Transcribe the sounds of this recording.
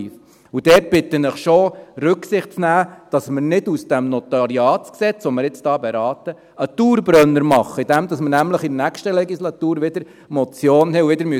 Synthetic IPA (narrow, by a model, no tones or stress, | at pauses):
f | ud̥ɛːt̚b̥ɪt̪ːənəχʃorʉksɪχtt͡snæːd̥ɑsmɪɾnɪdusd̥æmnɔt̪ɑɾiɑːtksɛt͡sʋɔmɪɾɪt͡sd̥ɑːbɛɾɑːt̪ə | ət̪uːɾbɾœnːəɾmɑχːəid̥̪ɛmdɑsməɾnæmləχidənækʃtəlɛɡislɑt̪uːɾʋɪd̪əɾ | mɔt͡sjoːnhɛuʋɪdəɾmy